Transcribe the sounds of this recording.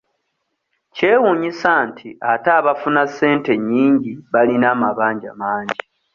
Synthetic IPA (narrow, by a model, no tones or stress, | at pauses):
ce̞ːwuɲisaːntʰiataːβafunasːe̞ːnte̞ɲːiːɲɟiβalinaːmaβaːɲɟamaːɲɟi